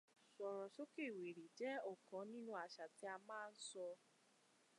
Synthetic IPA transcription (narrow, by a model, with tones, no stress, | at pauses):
sɔ˨ɾɔ˨ʃo˦ke˦˨we˨ɾi˨d͡ʒɛ˦ɔ˦˨kɔ̃˨˦nĩ˦nũ˦a˨ʃa˨ti˨˦a˧mãː˦˧n̩˦sɔ˧